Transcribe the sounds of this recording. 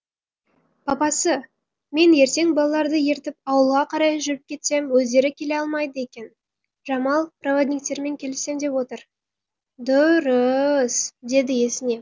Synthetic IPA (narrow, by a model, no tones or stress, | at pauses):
pʰɑpɑsə | me̞nje̞ɾt̪e̞ŋbɑlˠɑlˠɑɾd̪əje̞ɾt̪ɪp̚ɑwəlˠʁɑqʰɑɾɑjəʒʏɾɪp̚kʲʰe̞t̪se̞mwɵzd̪e̞ɾɪkʲʰe̞le̞ɑlˠmɑjd̪əe̞kʲe̞n | ʒɑmɑlˠprovod̪ʲnʲik̚t̪e̞ɾme̞ŋkʲʰe̞lɪse̞md̪e̞pwo̞t̪əɾ | d̪ʊɾəsd̪e̞d̪ɪje̞sɪne̞